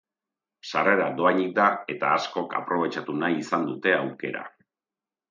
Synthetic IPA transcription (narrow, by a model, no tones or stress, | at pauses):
sare̞ɾad̪o̞aɲik̚d̪ae̞t̪aːsko̞ka̰pɾo̞β̞e̞t͡ʃat̪unajisand̪ut̪e̞awke̞ɾa̰